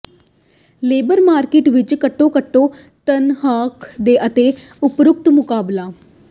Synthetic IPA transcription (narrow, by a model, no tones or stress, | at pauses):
leːbəɾmaːɾkɪʈʋɪt͡ʃkəʈːõːkəʈːõː | t̪ənɦaːkd̪eːʔət̪eː | ʊpɾʊk̚t̪mʊkaːblaː